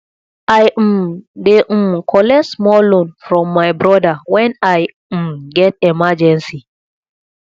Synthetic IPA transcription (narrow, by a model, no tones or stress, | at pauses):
ʔajmdɛʔumkʰɔlɛsmɔlonfɾɔ̃mːajbɾɔdawɛ̃naj | umɡɛt̚ɛmad͡ʒɛnsi